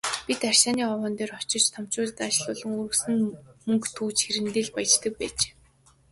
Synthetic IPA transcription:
pʲit̪ar̥ʲʃaːniːɔwɔːnt̪eːrɔt͡ɕɪ̆t͡ɕt̪ʰam̥t͡ɕʊːɮt̪at͡ɕɮʊːɮɞ̆ŋuɾɘ̆ksɘ̆nmɵŋkt̪ʰuːt͡ɕxeɾɘ̆nt̪eːɮpajt͡ɕt̪ə̆k̚pæːt͡ɕe̥ː

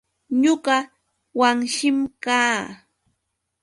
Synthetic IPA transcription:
ɲʊɢɑ | waŋʃɪmkaː

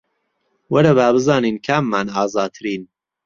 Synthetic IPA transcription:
wɐɾɐβaːbɨzɑːniːnkʰaːmːaːnɑːzɑːt̪ʰɨɾiːn

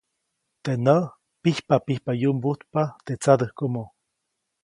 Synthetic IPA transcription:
t̪enə | pihpapihpajumbut̪pat̪et͡sad̪əhkomo

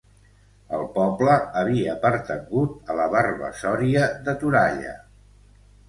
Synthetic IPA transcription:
əlˠpɔbləːβ̞iəpəɾt̪əɡut̪̚ələβarβə̰sɔɾiəðət̪uɾaʎə̰

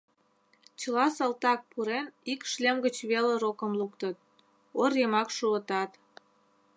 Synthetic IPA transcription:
t͡ɕə̆lɑsɑlt̪ɑk̚puɾenikʃlemɡət͡ɕβeleɾokə̆mlukt̪ət̪̚ | orjəmɑkʃuət̪ɑt̪

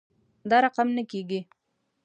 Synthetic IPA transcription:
d̪ɑɾɑqamnəkeɡi

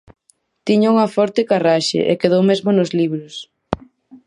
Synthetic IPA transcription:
t̪iɲɐuŋɐfɔɾt̪ɪkaraʃḛʔḛkeðowmezmonozliβɾʊs

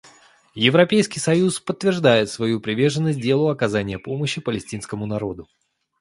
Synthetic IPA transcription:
jɪvɾɐpʲejskʲɪjsɐjuspət̪ːvʲɪrʐd̪ajɪt̪svɐjupɾʲɪvʲe̞rʐənːəsʲt̚ʲdʲe̞lˠʊɐkɐzanʲɪjəpo̞məɕːɪpəlʲɪsʲtʲinskəmʊnɐɾo̞d̪ʊ

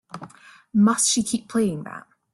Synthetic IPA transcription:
mʌstʃikʰiˑpʰl̥eɪɪ̃ŋða̰ʔ̚

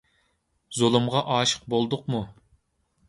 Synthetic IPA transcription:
zolˠumʁɑʔɑːʃə̥q̚bolˠd̪ʊqmu

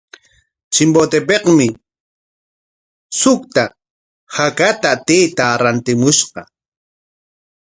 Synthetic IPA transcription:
t͡ʃɪmbot̪epeqmɪ | sʊkt̪a | hakat̪at̪ejt̪aɾant̪ɪmʊʃqɑ

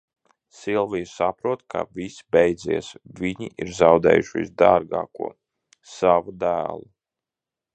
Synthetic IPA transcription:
silˠvijusapɾuɔt̪kʰa̰vʲisbɛjd̪ziɛsvʲiɲiʔiɾzawd̪ɛ̰ːjuʃḭzd̪aːɾɡɑ̰ːkṵɔ | savud̪æ̰ːlˠu

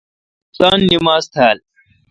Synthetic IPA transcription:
saːnːimaːzt̪ʰaːl

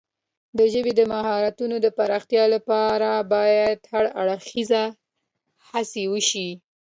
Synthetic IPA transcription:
d̪əʒəbed̪əmahɑɾat̪unod̪əpaɾɑxt̪jɑlapɑɾabɑjad̪haɽaɽxiza | hasewəʃi

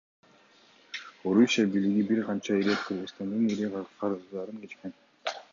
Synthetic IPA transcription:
o̞ɾusʲijabijliɡibiɾqʰɑnt͡ʃɑiɾet̪kʰɯɾʁɯzst̪ɑnd̪ɯniɾiqʰqʰɑɾɯzd̪ɑɾɯŋke̞t͡ʃke̞n

